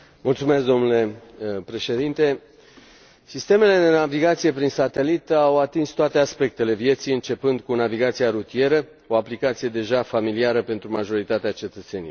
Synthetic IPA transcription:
mult̪sume̞sd̪o̞mnule̞pɾe̞ʃe̞d̪int̪e̞ | sist̪e̞me̞le̞d̪e̞naviɡat̪sije̞pɾinsat̪e̞lit̪awat̪inst̪oat̪e̞aspe̞k̚t̪e̞le̞vje̞t̪sijɨnt͡ʃe̞pɨnd̪kunaviɡat̪siaɾut̪ie̞ɾə | o̞aplikat̪sije̞d̪e̞ʒafamiliaɾəpe̞nt̪ɾumaʒo̞ɾit̪at̪eat͡ʃe̞t̪ət̪se̞nḭj

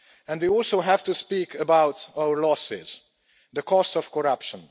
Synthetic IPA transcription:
ɛ̃ndwiɔlˠsoʊɦæv̥tuspikʰəbaʊtaʊəɹlɔsɪ̰z̥ | ðəkʰɔstɔv̥kʰɔɹʌpʃə̃n

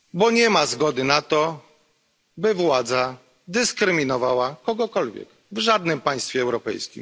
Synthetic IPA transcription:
bɔɲɛmazɡɔd̪ɘnat̪ɔ | bɘvwad̪za | d̪ɘskɾɘmʲinɔvawakɔɡɔkɔlvʲjɛ̰k | vʐad̪nɘmpaj̃st̪fʲjɛɛwɾɔpɛ̰jskʲḭm

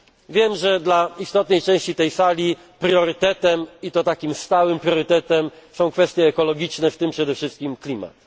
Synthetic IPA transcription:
vʲjɛmʐɛd̪laist̪ɔt̪nɛjt͡ʂɛ̃w̃ɕt͡ɕit̪ɛjsalʲi | pɾʲjɔɾɘt̪ɛt̪ɛmit̪ɔt̪akʲimst̪awɘmpɾʲjɔɾɘt̪ɛt̪ɛmsɔ̃w̃kfɛst̪ʲjɛːkɔlɔɡʲit͡ʂnɛft̪ɘmpʂɛd̪ɛfʂɘst̪̚kʲimklʲima̰t̪

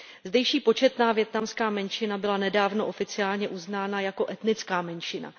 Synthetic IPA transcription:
zdɛjʃiːpo̞t͡ʃɛt̪naːvjɛt̪namskaːmɛnʃɪnabɪlanɛdaːvno̞ʔo̞fɪt͡sɪaːlɲɛʔuznaːnajako̞ʔɛt̪nɪt͡skaːmɛnʃɪna̰

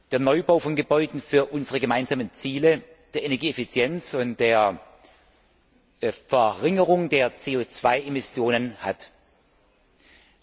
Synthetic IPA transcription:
d̥eːɐnɔʏbaʊfɔnɡəbɔʏdn̩fyːɐʔʊnzəʁəɡəmaɪnzaːmənt͡siːlə | d̥eːɐenɛɐɡiːefit͡sjɛnt͡sʊntd̥eːɐ | fɛɐʁɪŋəʁʊŋdeːɐt͡seːoːt͡sv̥aɪʔemɪsjoːnənhat

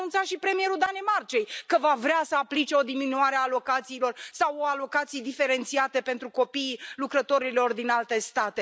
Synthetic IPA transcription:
nunt̪saʃipɾe̞mije̞ɾud̪ane̞mart͡ʃe̞jkəvavɾeasəaplit͡ʃe̞o̞d̪iminuaɾeaːlo̞kat̪siːlo̞rsawoalo̞kat̪sijed̪ife̞ɾe̞nt̪siat̪e̞pe̞nt̪ɾuko̞pijlukɾət̪o̞ɾilo̞rd̪inalt̪e̞st̪at̪e̞

